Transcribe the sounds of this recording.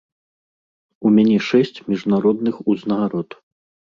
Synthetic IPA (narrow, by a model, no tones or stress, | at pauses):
umʲanʲɛʂɛsʲt͡sʲmʲiʐnaɾɔd̪nɨxuznɐɣaɾɔt̪